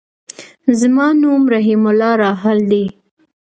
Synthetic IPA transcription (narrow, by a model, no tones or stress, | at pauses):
zəmɑnumɾaɦimʊlɑɾɑɦald̪i